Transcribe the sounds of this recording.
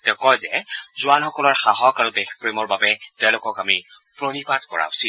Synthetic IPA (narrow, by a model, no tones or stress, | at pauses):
tɛkɔjzɛzʊanxɔkɔlɔɹxaɦɔkaɹudexpɹemɔɹbabɛtɛʊlʊkɔkamipɹonipatkɔ̰ɹa̰si